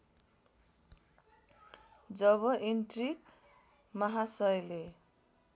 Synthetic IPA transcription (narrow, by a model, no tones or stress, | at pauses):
d͡zʌβʌʔinʈriɡ | mʌɦasʌjle